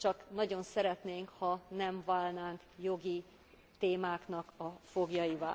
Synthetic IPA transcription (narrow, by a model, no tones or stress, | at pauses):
t͡ʃɒknɒɟo̞nsɛɾɛt̪neːŋkhɒnɛɱvaːlnaːŋkjo̞ɡi | t̪eːmaːkn̪ɒkɒfo̞ɡjɒiva̰ː